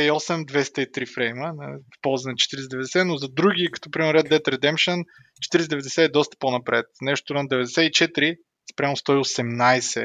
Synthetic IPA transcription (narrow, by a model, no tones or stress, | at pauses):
ɛiɔsɛmd̪vɛst̪əit̪ɾifɾɛjmənɐifpɔlˠzɐnɐt͡ʃɛ̥t̪iɾisɛd̪ɛvɛd̪ɛsɛnozɐd̪ɾuɡʲikɐ̥t̪ɔpɾimɛɾɛd̪ɛt̪ɾɛd̪ɛmpʃən | t͡ʃɛ̥t̪iɾisɛd̪ɛvɛd̪ɛsɛɛd̪ɔst̪ə̥ponɐpɾɛ̰t̪̚nɛʃt̪ʊɾɐd̪ɛvɛd̪ɛsɛit͡ʃɛt̪ɾi | spɾʲamʊst̪ɔiosɛmnajsɛ̰